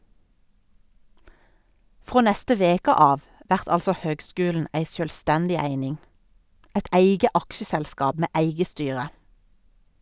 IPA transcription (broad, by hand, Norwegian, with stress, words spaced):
ˈfʁoː ˈnɛstə ˈʋeːkə ˈɑːʋ ˈʋæʁt ˈɑlsɔ ˈhøːɡˌskʉːln̩ ˈæɪ sjœlˈstɛndɪ ˈæɪnɪŋ ˈæɪd ˈæɪɡə ˈɑkʃəsɛlˌskɑːb ˈmeː ˈæɪɡə ˈstyːʁə